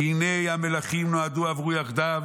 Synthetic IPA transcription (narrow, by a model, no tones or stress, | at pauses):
inejamelaχimnoad̪uavʁujaχd̪av